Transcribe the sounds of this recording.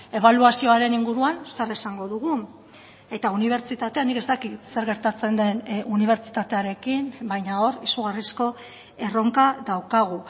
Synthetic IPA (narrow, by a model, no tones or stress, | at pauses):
e̞βaluasio̞aɾe̞niŋɡuɾuansaresaŋɡo̞ðuɣ̞u | e̞t̪auniβ̞e̞ɾt͡ʃit̪at̪e̞anike̞st̪akit̪se̞ɾɣe̞ɾt̪at͡se̞nd̪e̞nuniβ̞e̞ɾt͡ʃit̪at̪e̞aɾe̞kimbajɲao̞ɾisuɣ̞arisko̞ | e̞ro̞ŋkaðawkaɣ̞u